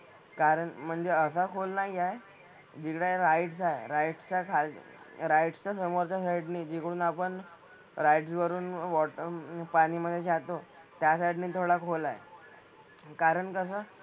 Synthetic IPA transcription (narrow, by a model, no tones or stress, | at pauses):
kaɾəɳm̤əɳd͡zeəsakʰolnaiae | d͡ʑikɽeɾajʈsaeɾajʈst͡ɕakʰal̰ | ɾajʈst͡ɕasəmoɾt͡ɕasaiɖniːd͡ʑekəɽuːnapəɳ | ɾajʈsʋəɾuːnʋɔʈpañiːməd̪ʱːjet͡ɕat̪o | t̪jasaiɖniːt̪ʰoɽakʰolajḛ | kaɾəɳkəs̬əː